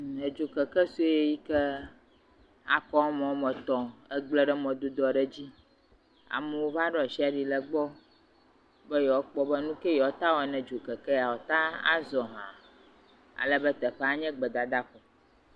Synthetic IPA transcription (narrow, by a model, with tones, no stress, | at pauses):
ɛ˨d͡ʒo˨kə˨kɛ˦su˦e˦ji˦kɛ˦ | a̰˨kɔ˦mɔ̃˨˦mɛ̃˨t̪ɔ̃˨ɛ˦ɡ͡blɛ˦˨ɖɛ˦mɔ̃˨d̪o˦d̪ɔ˨ɖɛ˦d͡ʑi˦ | a̰˨mɛ˦wo˦va˦ɖɔ˦˨ʃi˦a˨ɖi˨lɛ˨ɡ͡bɔ˦ | bɛ˦jɔ˨˦k͡pɔ˦bɛ˦nũ˦kɛ˦jɔ˨˦t̪a˦wɔ˨nɛ̃˨d͡ʒo˨kɛ˨kɛ˦ja˨wɔ˨t̪a˦a̰˦zɔ˨ɦã̰˨ | a̰˨lɛ˦bɛ˦t̪ɛ˨ɸɛ˦a˨ɲɛ̃˦ɡ͡bɛ˨d̪a˨d̪a˦kɔ˨